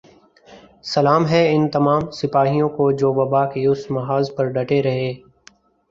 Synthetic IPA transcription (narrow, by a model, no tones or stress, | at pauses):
sɐlaːmɦɛɪnt̪ɐmaːmsɪpaːɦijõkod͡ʒoːʋɐbaːkeʊsmɐɦaːzpɐɾɖɐʈeɾɐɦeː